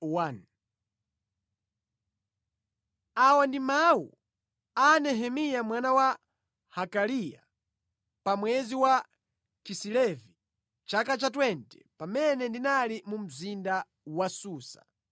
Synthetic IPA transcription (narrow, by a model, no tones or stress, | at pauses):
wan | awandimawṵ | anɛɦɛmijamwanawa | hakalija | pamwɛziwa | kisilɛvi | t͡ʃakat͡ʃatwɛntɛ̥pamɛnɛndinalimum̩zinda | wasuːsḁ̰